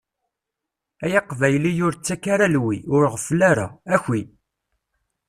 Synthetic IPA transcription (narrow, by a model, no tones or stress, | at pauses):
æjɑqvæjlijʊɾt͡sːækaɾalwiʊɾʁəflaɾa̰æçi